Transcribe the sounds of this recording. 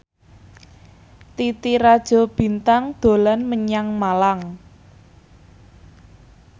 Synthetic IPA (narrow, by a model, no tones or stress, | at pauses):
t̪it̪iɾad̥ʒ̥ɔ̤b̥i̤nt̪aŋd̪̥o̤lanməɲaŋmalaŋ